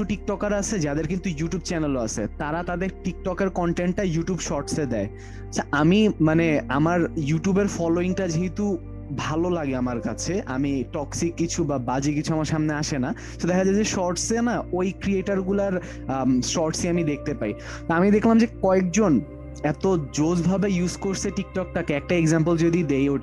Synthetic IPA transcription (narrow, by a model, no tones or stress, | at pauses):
uʈik̚ʈɔkaɾat͡ɕʰed͡ʑad̪eɾkint̪ujuʈiub̚t͡ɕɛneloat͡ɕʰḛt̪aɾat̪ad̪eɾʈik̚ʈɔkeɾkɔɳʈeɳʈ̚ːajuʈjubʃɔɾʈsed̪ɛe | at͡ɕʰaamimaneamaɾjuʈjubeɾfɔloiŋʈad͡ʑeɦet̪u | bʱalolaɡeamaɾkat͡ɕʰeʔa̰miʈɔksikːit͡ɕʰubabad͡ʑikit͡ɕʰuamaɾʃamneaʃena | sed̪ɛkʰad͡ʑad͡ʑeʃɔɾʈsenaojkɾieʈaɾɡulaɾ | sɔɾʈseamid̪ek̚ʰt̪epai | t̪oamid̪ekʰlamd͡ʑekɔek̚d͡ʑon | ɛt̪od͡ʑod͡ʑbʱabejuzkoɾsʰeʈik̚ʈɔk̚ʈakeɛk̚ʈaeɡzampəld͡ʑod̪id̪ejoʈ